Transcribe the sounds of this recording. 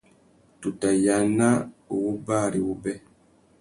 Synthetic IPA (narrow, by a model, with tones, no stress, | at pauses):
tu˨ta˨ja˨na˦u˨wu˦ba˦˨ɾi˨wu˦bɛ˦